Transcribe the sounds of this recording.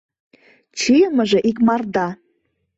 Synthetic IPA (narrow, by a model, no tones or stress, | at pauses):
t͡ɕijəməʒeʔik̬mɑrd̪ɑ